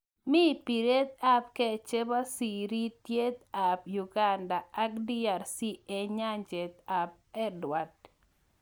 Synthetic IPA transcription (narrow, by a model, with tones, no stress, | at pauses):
mi˦pi˨ɾe˦t̪̚a˦p̚kɛ˦˨t͡ʃe˦ba˦si˨ɾi˦tje˦t̪a˨pju˨ɡa˨ndaː˨˦kdi˦a˨ɾsi˦ɛ˨ɲa˦ɲd͡ʒe˨t̪̚a˨p̚ɛ˦dwa˨t̚